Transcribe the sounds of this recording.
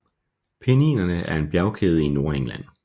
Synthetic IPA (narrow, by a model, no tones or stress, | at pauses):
pʰenḭːnɐnəʔæɐe̝nb̥jæʊkʰeːð̞̩ˠino̝ːɐeŋlæn̰